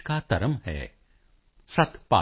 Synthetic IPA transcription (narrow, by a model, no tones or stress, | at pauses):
kat̪ɐɾəmɦɛ̰ː | sɐt̪ʰpa̰ː